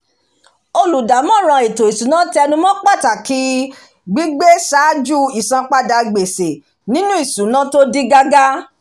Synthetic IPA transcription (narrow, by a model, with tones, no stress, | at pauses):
o˧lu˨da˨mɔ̃˦˨ɾ̃ã˧e˨to˨i˨su˨nã˨˦ti˦ɛ˧nũ˧mɔ̃˦k͡pa˦˨ta˨ki˧˦ | ɡ͡bi˦ɡ͡be˦ʃa˨˦d͡ʒu˦i˨sã˨˧k͡pa˦da˧ɡ͡be˨se˨ | nĩ˦nũ˦i˦˨sũ˨˦nã˦to˦di˦ɡa˦ɡa˦